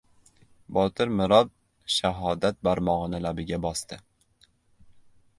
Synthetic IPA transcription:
bɒt̪ʰɪɾmɪɾɒd̪̚ | ʃaɦɒd̪at̪̚baɾmɒʁnɪlabɪɡʲabɒst̪ɪ

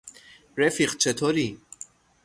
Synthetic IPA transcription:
ɾɛfiqt͡ʃʰɛt̪ʰɔɾi

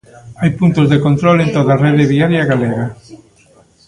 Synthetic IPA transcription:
ajpunt̪ozðekont̪ɾolent̪oðareðɪβiaɾjaɣaleɣa

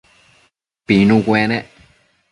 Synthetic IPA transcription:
pinukwɛːnɛ

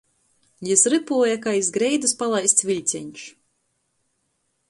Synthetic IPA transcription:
jisɾɨpuɔjakaizɡɾɛjd̪ɨspalˠajst̪svʲilʲt̪sʲɛɲʲʃ

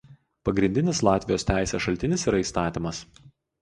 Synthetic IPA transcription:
pɐɡɾʲɪnʲd̪ʲɪnʲɪslˠɑːt̪ʲʋʲɪjoːst̪ʲæˑɪsʲɛsʃɐlʲt̪ʲɪnʲɪsiːɾɐiːst̪ɑːt̪ʲimɐs

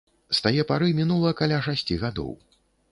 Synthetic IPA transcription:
st̪ajɛpaɾɨmʲinulˠɐɐkalʲaʂasʲt͡sʲiɣad̪ɔ̰w

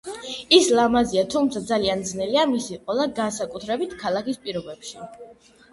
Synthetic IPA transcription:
islˠamaziat̪ʰumt̪sʰad̪zaliand̪znɛliamisiqʼɔlˠaɡansakʼut̪ʰɾɛbit̪ʰkʰalˠakispʼiɾɔbɛpʃi

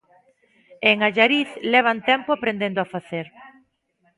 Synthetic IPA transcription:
eŋaʎaɾiθlɛβ̞ant̪ɛmpʊapɾend̪end̪oafaθeɾ

